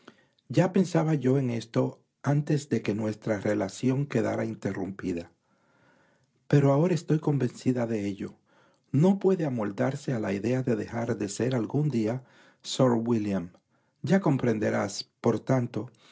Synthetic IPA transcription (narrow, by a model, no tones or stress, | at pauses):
ɟ͡ʝape̞nsaβaʝo̞e̞ŋe̞st̪o̞ | ant̪e̞zðe̞ke̞nwe̞st̪ɾare̞lasjo̞ŋke̞ða̰ɾaint̪e̞rumpiða | pe̞ɾoao̞ɾaest̪o̞jko̞mbe̞nsiðaðe̞e̞ʎo̞ | no̞pwe̞ðe̞amo̞ld̪aɾse̞alaiðe̞aðe̞ðe̞xaɾðe̞se̞ɾalɡund̪ia | so̞ɾwiljam | ɟ͡ʝako̞mpɾe̞nd̪e̞ɾaspo̞ɾt̪ant̪o̞